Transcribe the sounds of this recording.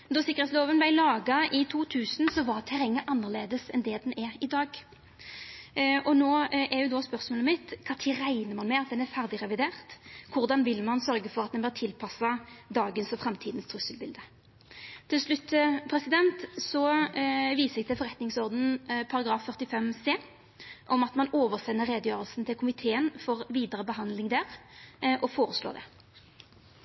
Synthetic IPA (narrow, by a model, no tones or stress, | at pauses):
d̪ɔsɪkːəʁɛt̪sloːʋənblæɪlɑːɡɑʔɪt̪ʰuːt̪ʰʉːsn̩sɔʋɑːt̪ʰɛɾɛŋːəʔɑnːəʁleːd̪əsɛnd̪ɛd̪ɛnɛɾɪd̪ɑːɡ | ɔnoːʔɛjʊd̪ɔspœʁsmoːlmɪt̪kʰɑːt̪ʰiːʁæɪnəmɑnmɛɑt̪̚d̪ɛnæʁfæʁd̪ɪʁɛʋɪd̪eːʁt̪kʰʊʁd̪ɑnʋɪlmɑnsœɾɡəfɔʁɑt̪̚d̪ɛnbɛʁt̪ʰɪlpʰɑsɑd̪ɑːɡənsɔfʁɛmt̪ʰiːd̪n̩st̪ʰʁʉsəlbɪld̪ə | t̪ʰɪlslʉt̪ːpʰɾɛsɪd̪ɛnt̪sɔ | ʋiːsəɛɡ̚d̪ɛfɔɾʁɛt̪nɪŋsɔʁd̪n̩pʰɑɾɑɡɾʁɑːfːœʁt̪ɪfɛmseː | ʔɔmɑt̪mɑnoːʋəʁsɛnːəʁːeːd̪əjøːʁəlsn̩t̪ʰɪlkʰʊmɪt̪ʰeːənfɔʁʋiːd̪əɾəbəɦɑnd̪lɪŋd̪æːʁʔɔfoːɾəslo̰ːd̪ɛ̰